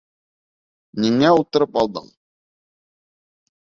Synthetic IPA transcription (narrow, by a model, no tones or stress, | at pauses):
niŋæulˠt̪ɤ̆ɾɤpɑlˠd̪ɤ̰ɴ